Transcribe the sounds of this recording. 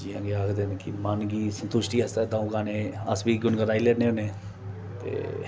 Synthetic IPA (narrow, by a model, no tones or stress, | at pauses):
d͡ʒijãːɡeaːkʰd̪eːnekɪmənɡiːsənt̪ʊʃʈiːəst̪ad̪ãːũɡaːneəsʋiːɡʊnɡəɾaːilenẽoneː | t̪ḛː